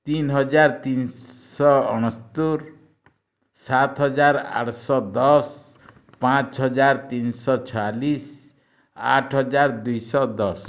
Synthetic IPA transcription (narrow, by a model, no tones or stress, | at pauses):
t̪inɦɔd͡ʒaɾt̪insɔɔɽ̃ɔst̪uɾ | sat̪ɦɔd͡ʒaɾa̰ʈʰsɔd̪ɔs | pãt͡ʃɦɔd͡ʒaɾt̪insɔt͡ʃʰɔalis | a̰ʈʰɦɔd͡ʒaɾd̪ujsɔd̪ɔs